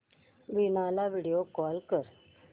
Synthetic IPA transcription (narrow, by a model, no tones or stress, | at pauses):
ʋinalaʋiɽijokɔːlkəɾ